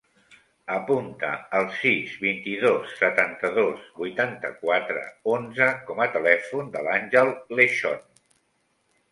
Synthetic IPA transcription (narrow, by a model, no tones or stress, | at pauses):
əpunt̪ə̰ːlˠsizβint̪iðosːət̪ant̪əðozβujt̪ant̪ə̰kwat̪ɾə̰onzəkɔmət̪əlɛfund̪əlanʲʒəlˠleʃɔn